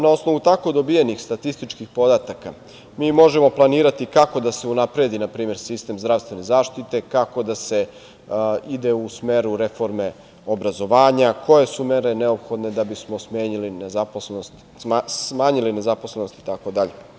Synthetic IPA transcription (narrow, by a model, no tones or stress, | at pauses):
nao̞sno̞ʋut̪ako̞d̪o̞bijenixst̪at̪ist̪it͡ʃkixpo̞d̪at̪aka | miːmo̞ʒemo̞plˠaniːɾat̪ikako̞d̪aseunapɾe̞d̪inapɾiːme̞ɾsist̪emzd̪ɾaʋst̪vʋe̞ne̞zaːʃt̪it̪e̞kako̞d̪ase̞ | id̪e̞usmeɾuɾe̞fo̞ɾme̞ | obɾazo̞ʋaːɲakʰo̞je̞sumeɾe̞ne̞opxo̞d̪ne̞d̪abismo̞smeːɲilinezapolst̪ | smaːɲiline̞zaposleno̞st̪it̪ako̞d̪aʎe